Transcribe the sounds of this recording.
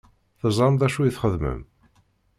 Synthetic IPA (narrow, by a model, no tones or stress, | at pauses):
θəzˤɑmd̪æʃujiθχəðmə̰m